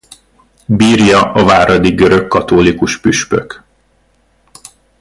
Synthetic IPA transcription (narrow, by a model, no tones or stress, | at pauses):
biːrjɒʔɒvaːɾɒd̪iɡøɾø̞kːɒt̪oːlikuʃpyʃpø̰k